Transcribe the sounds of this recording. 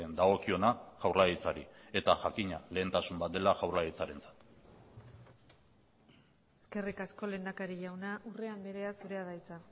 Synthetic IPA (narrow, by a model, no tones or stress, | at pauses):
end̪aɣ̞o̞kio̞naʝawrlaɣit͡saɾḭe̞t̪aʝakiɲale̞ːnt̪asumbat̪̚d̪e̞laʝawrlait͡saɾe̞nt͡sḁt̪ | e̞ske̞rikasko̞le̞nd̪akaɾiʝawnaʔure̞ambe̞ɾe̞asuɾe̞að̞ajt͡sa